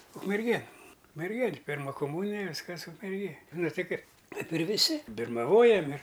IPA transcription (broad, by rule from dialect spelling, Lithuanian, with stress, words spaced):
ʊkmʲɛrʲˈɡʲeːn ʊkmʲɛrʲˈɡʲeːnʲ ˈpʲɪrmɐ kʊˈmuːnʲɪjɛ ˈʋʲɪskɐs ʊkmʲɛrʲˈɡʲeːj ˈnʊ ˈtʲɪ ˈkɐɪp ˈkɐɪp ɪr ʋʲɪˈsʲɪ bʲɪrmɐˈʋoːjɛm ɪr